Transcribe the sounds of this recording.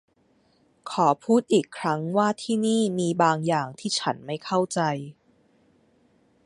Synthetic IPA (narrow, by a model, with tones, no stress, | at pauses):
kʰɔː˩˦pʰuː˥˩t̪̚ʔiː˨˩kʰːɾa˦˥ŋwaː˥˩t̪ʰiː˥˩niː˥˩miː˧baː˧ŋjaː˨˩ŋt̪ʰiː˥˩t͡ɕʰa˦˥nma˥˩jkʰa˥˩wt͡ɕa˧j